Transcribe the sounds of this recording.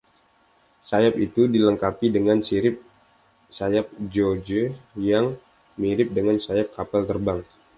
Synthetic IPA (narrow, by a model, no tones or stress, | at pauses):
sajapit̪udiləŋkapidəŋansiɾɪp̚ | sajap̚d͡ʒod͡ʒəjaŋ | miɾɪp̚dəŋansajap̚kapalt̪ərbaŋ